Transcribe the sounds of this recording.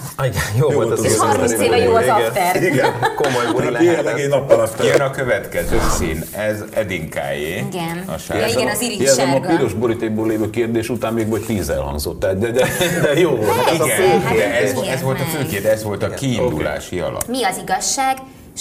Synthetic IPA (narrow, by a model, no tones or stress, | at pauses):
iɡɛjoːololt̪minseːɛjoːt̪ɛiɡɛnkomojoɛlɛlɛɡɛnɒpːɒlɒft̪nɒkøvɛt̪kɛzøːsiːnɛz | ɛd̪iŋka̰ːjeːiɡɛnɒ̰ʃa̰ɛiziɛzɛmɒpiɾoʒbo̞ɾit̪eːɡ̚bøːleːvøːkeːrd̪eːʃut̪aːmmeːɡvoct̪iːzɛ̰lɦɒ̰ŋɡzo̞t̪ːɛd̪ɛd̪ɛd̪ɛjoːvolt̪izɡɛøːd̪ɛɛzɛzvo̞lt̪ɒføːkerd̪ɛzʋo̞lt̪ɒkiːnokd̪ula̰ːʃiɒ̰lɒ̰miɒziɡɒʃːaːɡ